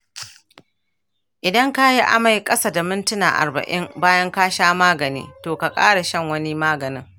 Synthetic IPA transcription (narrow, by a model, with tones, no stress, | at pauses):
ʔɪ˨dɐ˦ŋka˦ji˦ʔa̰˦ma˨jkʼɐ˦sa˦da˨mɪ˦ntʊ˦na̰ː˨ʔa̰˨rbɐ̰˨ʔɪ˦mbaː˦jɐ˦ŋkaː˦ʃaː˦maː˦ɡɐ˨nḭː˦toː˨ka˨kʼa̰ː˦ɽa˨ʃɐ˦˨ŋwɐ˦ni˦maː˦ɡɐ˨nɪ˦ŋ